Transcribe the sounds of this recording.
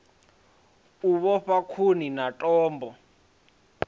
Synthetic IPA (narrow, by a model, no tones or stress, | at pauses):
uɓɔɸakʰuninatʼɔːmbʱɔ